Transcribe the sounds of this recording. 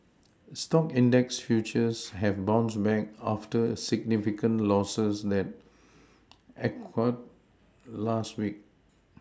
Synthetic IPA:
stɔkĩndɛksfjut͡ʃəshɛvbãʊ̃nsbɛk̚aftəsiɡ̚nifikə̃nlɔsəsd̪ɛt̚ | ʔɛkʰəd̚ | lastwik̚

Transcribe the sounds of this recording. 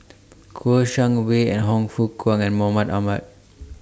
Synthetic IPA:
kʰoʃãŋweɛ̰̃nɦɔ̃ŋfukwãŋɛ̃nmɔmatamat̚

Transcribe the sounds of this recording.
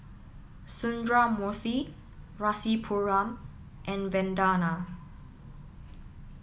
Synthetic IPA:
sũndɹamɔθi | ɹasipʰuɹãm | ʔɛ̃nvɛ̃ndana

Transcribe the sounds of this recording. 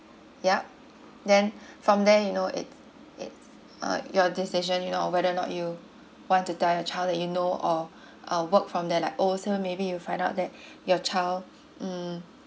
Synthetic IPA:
jap̚ | dɛ̃nfɹɔ̃mdɛjunoʔɪ̰ts | ʔɪ̰ts | ʌ̰jɔdisiʒə̃njunoɔwɛɾənɔ̰ʔju | wɔ̃ntːutɛljɔt͡ʃaɪldɛtjunoʔɔ | ʔʌwəkfɹɔ̃mdɛlaɪkosomebijufãɪ̃ndaʊt̚dɛt̚jɔt͡ʃʰaɪl | m̩

